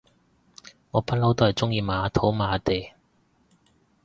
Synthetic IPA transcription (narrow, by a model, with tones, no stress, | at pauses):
ŋɔː˨˧pɐ˥t̚lɐ˥wt̪oː˥hɐ˨˩jt͡sʊ˥ŋjiː˧maː˨aː˨˧t̪ʰo˨˥wmaː˨˧t̪e˨˩j